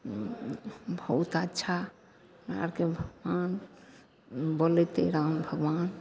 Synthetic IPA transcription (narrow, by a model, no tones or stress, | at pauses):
bʱəut̪ətːʃʰa | ɾa̰ɽkebʱəɡwan | bolet̪ḛɾambʱəɡʋan